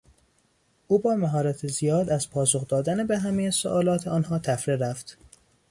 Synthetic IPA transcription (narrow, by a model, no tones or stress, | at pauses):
ʔuːbɒːmæɦɒːɾæt̪ʰezijɒːd̪æz̥pʰɒːsoxd̪ɒːd̪ænebeɦæmejeso̰ʔɒːlɒːt̪ʰeɒːnɦɒːt̪ʰæfɾeɾæft̪